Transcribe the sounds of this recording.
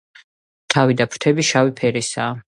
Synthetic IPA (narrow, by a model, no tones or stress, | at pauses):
t̪ʰavid̪apʰɾ̥t̪ʰɛbiʃawipʰɛɾisaː